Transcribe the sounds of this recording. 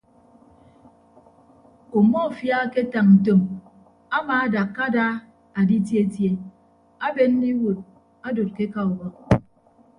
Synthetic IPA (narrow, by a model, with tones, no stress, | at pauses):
o˨mɔ˦˨fja˦ke˦ta˨ŋn̩˨to˨m | a˦maː˨a˦da˨kːa˦da˦ | a˨di˦t̬je˦tje˦ | a˦be˦n˦ni˦wo˨t̚ | a˦do˨t̚ke˦ka˨u˨wɔ˦